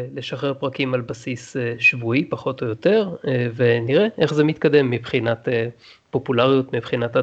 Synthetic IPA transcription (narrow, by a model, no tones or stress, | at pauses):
le̞ʃaχeʁpʁakimalbasisʃvuipaχo̞tojote̞ʁveniʁeʔeχzemit̪kade̞mːibχinate | po̞pulaʁjutmibχinata